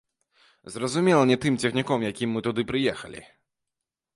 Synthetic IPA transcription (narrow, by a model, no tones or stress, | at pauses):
zrɐzumʲɛlˠɐnʲɛt̪ɨmt͡sʲɛxnʲikɔmjakʲimːɨt̪ud̪ɨpɾɨjɛxɐ̰lʲḭ